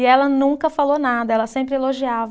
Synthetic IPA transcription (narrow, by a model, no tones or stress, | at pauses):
ɪɛlɐnũkɐfalonad̪ɐɛlɐsẽmpɾɪeloʒiav